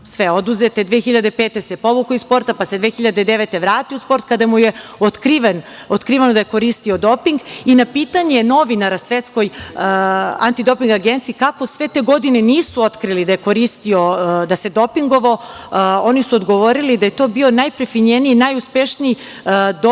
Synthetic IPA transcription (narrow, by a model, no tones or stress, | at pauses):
sʋeo̞d̪uzet̪e̞d̪ʋeːxiʎad̪e̞peːt̪e̞sepo̞ʋukoispo̞ɾt̪apased̪ʋexiʎad̪ed̪e̞ʋet̪e̞ʋɾaːt̪iuspo̞ɾt̪kad̪amujeot̪kɾiʋen | ot̪kɾiːʋanod̪ajeko̞ɾist̪io̞d̪o̞piŋɡinapiːt̪aɲeno̞ʋinaɾasʋe̞t̪sko̞j | a̰nt̪id̪o̞piŋɡaɡent̪siikako̞sʋe̞t̪e̞ɡo̞d̪ineniːsuo̞t̪kɾilid̪ajeko̞ɾist̪iod̪ase̞d̪o̞piŋɡo̞ʋo̞o̞nisuod̪ɡoʋo̞ɾilid̪aje̞t̪o̞bionajpɾefiɲeniinajuspeʃni | d̪